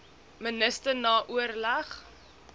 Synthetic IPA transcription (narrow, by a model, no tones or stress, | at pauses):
mənəstərnɑːʔuərlæχ